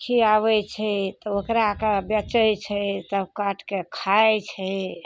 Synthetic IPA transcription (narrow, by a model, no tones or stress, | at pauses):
kʰiaβɛt͡ʃʰɛt̪ɔokɾakabjət͡ʃəjt͡ʃʰɛt̪əkaʈʰkekʰajt͡ʃʰɛ